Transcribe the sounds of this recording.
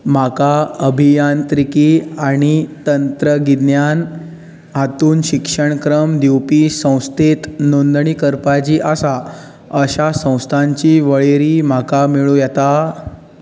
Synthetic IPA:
m̤akaəbʱijant̪ɾikiaɽ̃it̪ənt̪ɾəɡid̪njan | ɦat̪uːnɕikʂəɳkɾəmd̪iwpisə̃w̃st̪ʰet̪nond̪ɳikəɾpat͡ɕiːʔasa | əɕasə̃w̃st̪ʰaɲt͡ɕiːʋəɭeɾiːm̤akamiɭujɛt̪a

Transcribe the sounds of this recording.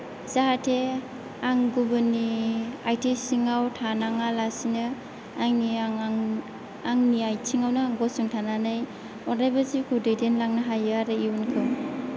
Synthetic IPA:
z̥aɦatʰe | aŋɡubɯniajtʰisiŋawtʰanaŋalasinɯː | ŋni | aŋniajtʰiŋawnɯŋɡɔsuŋtʰananɯj | ɔnɾajbazikʰudɯjdenlaŋnaɦajɯaɾɯiunkʰɯw

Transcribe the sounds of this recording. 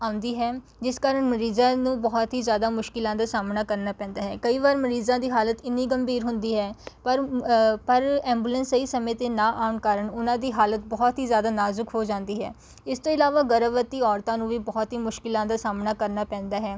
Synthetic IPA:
aːʊ̃nd̪iːɦɛː | d͡ʒɪskaːɾəɳməɾiːzãːnũːbɔːt̪ɦiːzjaːd̪aːmʊʃkɪlãːd̪aːsaːmnaːkəɾnaːpɛ̃ːnd̪aːɦɛːkəiːʋaːɾməɾiːzãːd̪iːɦaːlət̪ɪnːiːɡəmbiːɾɦʊnd̪iːɦɛːpəɾpəɾɛ̃ːmbuːlə̃nsəiːsəmẽːt̪eːnãːʔaːʊɳkaːɾəɳʊnãːd̪iːɦaːlət̪̚bɔːt̪ɦiːzjaːd̪aːnaːzʊkɦoːd͡ʒãːnd̪iːɦɛ̰ː | ɪst̪õːɪlaːʋaːɡəɾəʋət̪ːiːɔːɾt̪ãːnũːʋiːbɔːt̪ɦiːmʊʃkɪlãːd̪aːsaːmnaːkəɾnaːpɛ̃ːnd̪aːɦɛː

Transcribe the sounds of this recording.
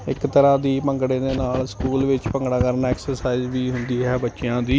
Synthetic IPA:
ɪ̰kt̪əɾãːd̪iːpəŋɡɽẽːd̪eːnaːlskuːlʋɪt͡ʃpəŋɡɽaːkəɾnaːɛːksəɾsaːɪzʋiːɦʊnd̪iːɦɛːbəːʃɪjãːd̪iː

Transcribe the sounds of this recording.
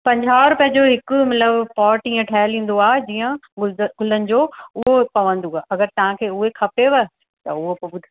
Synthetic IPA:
pɐ̃ɲd͡ʑʱaːɾʊpijə̃d͡ʑoɦɪkʊ̆mɐt̪ləbpɔːʈĩːə̃ʈʰaːɦəlĩːn̆d̪oaːɦed͡ʑiːə̃ɡʊlənɪ̆d͡ʑoːʊɦopɐʋə̃nd̪uaːʔɐɡəɾt̪ɐʋ̤ãkʰeːʊɦekʰɐpeʋɐ | t̪ɐʊɦopbʊd̪ʱ

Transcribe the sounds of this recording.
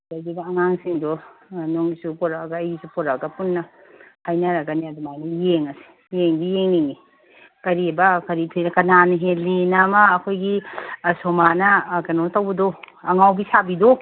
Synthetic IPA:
dajdiɡaɐŋaŋsiŋdonoŋisupoɾaɡaːjɡisupɔɾaɡɐpunːɐhajnɐɾɐɡɐniɐdumajnijeŋɐsi̥ | jeŋbijeŋniŋi | kɐɾibɐkɐɾitʰinkɐnaniɦelinamɐːkʰojɡisomanɐkɐnotawbɐdo | ɐŋawbisabido

